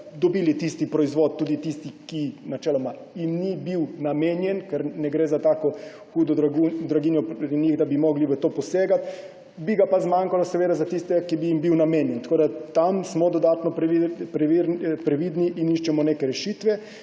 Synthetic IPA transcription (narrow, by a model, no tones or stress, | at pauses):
d̪ɔbiːlit̪ist̪ipɾɔizʋot̪̚ːuːd̪it̪ist̪ikinat͡ʃɛːlɔma | jimnibiwnameːnjɛnkɛɾnɛɡɾeːzat̪aːkɔ | xuːd̪ɔɾud̪ɾaɡinjɔpɾɛniɣd̪abimɔɡliʋət̪oːpɔseːɡat̪ | biɡapazmaŋkalasɛʋeːd̪azat̪ist̪ɛkibijimbiwnameːnjɛnt̪ḁkoːd̪at̪amsmɔd̪ɔd̪aːt̪nɔppɾɛʋiɾpɾɛʋid̪niʔiniʃt͡ʃɛmɔneːkɛɾɛʃiːt̪ʋɛ